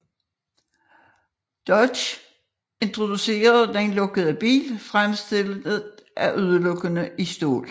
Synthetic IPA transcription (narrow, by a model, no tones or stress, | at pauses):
d̥ɒɕ | e̝nt͡sʰʁo̝d̥use̝̰ːɐð̩ˠd̥ænlɔ̽ɡ̥əð̞̩ˠæb̥ḭːlfʁamsd̥e̝lðʔæʔøð̞ˠəlɔ̽ɡ̥ənəʔisd̥o̝̰ːl